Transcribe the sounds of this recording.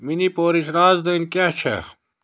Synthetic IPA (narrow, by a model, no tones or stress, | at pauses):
minipoːɾit͡ɕɾaːzd̪ɐnkat͡ɕʰɐ̰